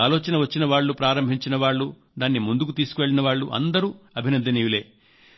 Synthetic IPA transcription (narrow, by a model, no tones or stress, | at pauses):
aːloːt͡ʃɐnɐʋɐt͡ʃːinɐʋaːɭːupɾaːɾɐmbʱiɲt͡ʃinɐʋaːɭːu | d̪aːnːimund̪ukut̪iːsu̥kuʋe̞ɭːinɐʋaːɭːuʔɐ̰nd̪ɐɾuːɐbʱinɐnd̪ːinijule̞ː